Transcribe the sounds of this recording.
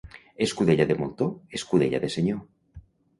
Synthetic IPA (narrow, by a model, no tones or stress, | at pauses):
eskuðeʎaðemolt̪oeskuðeʎa̰ðeseɲo